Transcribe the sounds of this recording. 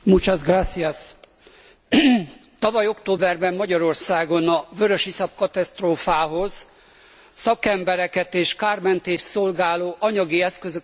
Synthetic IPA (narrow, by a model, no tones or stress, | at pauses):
mut͡ʃazɡrasːias | t̪ɒvɒjo̞kt̪oːbɛrbɛmːɒɟɒɾo̞rsaːɡo̞nɒvøɾøʃisɒp̚kɒt̪ɛst̪roːfaːɦo̞z | sɒkɛmbɛɾɛkɛt̪eːʃkaːrmɛnt̪eːʃso̞lɡaːloːʔɒɲɒɡiɛskøzø